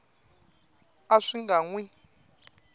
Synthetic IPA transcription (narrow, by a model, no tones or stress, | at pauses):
aʂiŋɡaŋwi